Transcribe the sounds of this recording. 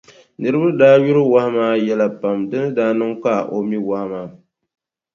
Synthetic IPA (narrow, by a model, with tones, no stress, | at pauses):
nɨ˨ɾɨ˦ba˦daː˦ju˦ɾɨ˦wa˦hmaː˦jɛ˦la˨pa˨mdɨ˦nɨ˦daː˦nɨ˦ŋk͡pa˦˨ʔo˨mi˦wa˦hmaː˨˦